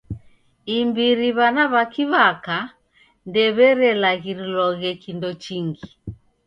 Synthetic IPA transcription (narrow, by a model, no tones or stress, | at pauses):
imbiɾiβanaβakiβaka | ndɛβɛɾɛlaɣiɾilɔɣɛkindɔt͡ʃiŋɡi